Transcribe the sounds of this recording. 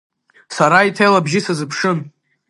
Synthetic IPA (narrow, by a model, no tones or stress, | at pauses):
saɾaitʰejlabʒɪsazɨpʰʂɨn